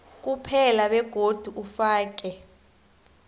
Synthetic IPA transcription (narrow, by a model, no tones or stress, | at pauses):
k̬ʼupʰɛlaɓɛɡ̥ʱod̥ʱuʔufaːk̬ɛ